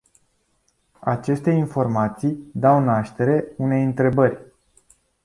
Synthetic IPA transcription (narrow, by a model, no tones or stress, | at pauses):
at͡ʃe̞st̪e̞info̞rmat̪sijd̪awnaʃt̪e̞ɾe̞une̞jɨnt̪ɾe̞bərʲ